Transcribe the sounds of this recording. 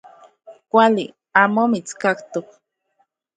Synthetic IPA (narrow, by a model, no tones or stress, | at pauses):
kʷali | amomit͡skakt̪uk̚